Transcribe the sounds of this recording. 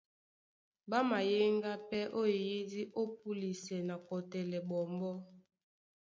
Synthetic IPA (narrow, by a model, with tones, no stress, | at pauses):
ba˦ma˨je˦ŋɡa˦pɛ˦ʔo˦˨ji˦di˦ʔo˦p̚u˦li˨sɛ˨na˨kɔ˨tɛ˨lɛ˨bɔ˨mbɔ˦